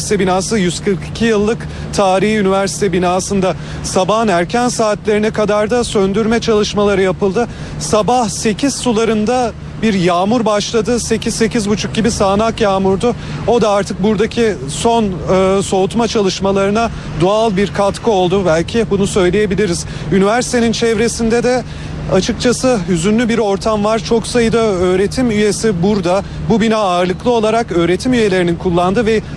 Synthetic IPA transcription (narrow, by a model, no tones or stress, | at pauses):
si̥t̪ʰɛbinaːsɯjyzkʰɯɾkʰi̥cʰijɯlˠːɯk | t̪ʰaːɾihynivæɾsi̥t̪ʰɛbinaːsɯnd̪a | sabaɦɯnæɾcʰænsaːt̪lʲe̞ɾinɛkʰad̪aɾd̪asønd̪yɾmɛt͡ʃʰalˠɯʃmalˠaɾɯjapɯlˠd̪ɯ | sabahse̞cʰiz̥sulˠaɾɯnd̪a | biɾjaːmuɾbaʃlˠad̪ɯse̞cʰizse̞cʰizbut͡ʃʰuk̚ɟibisaːnakjaːmuɾd̪ʊ | o̞d̪aaɾt̪ʰɯk̚buɾd̪acʰiso̞nɯːso̞ut̪mat͡ʃʰalˠɯʃmalˠaɾɯna | d̪oalˠbiɾkʰat̪kʰɯo̞lˠd̪ubælʲcʰibunusø̞jlʲeje̞bilʲiɾiz̥ | ynivæɾsi̥t̪ʰenint͡ʃʰɛvɾe̞sind̪ɛd̪ɛ | at͡ʃʰɯk̚t͡ʃʰasɯɦyzynlʲybiɾo̞ɾt̪ʰamvaɾt͡ʃʰo̞ksajɯd̪aø̞ːɾe̞t̪ʰimyje̞sibuɾd̪a | bubinaaɯɾlˠɯklˠɯo̞lˠaɾakø̞ːɾe̞t̪ʰimyje̞lʲe̞ɾininkʰulˠːand̪ɯvɛ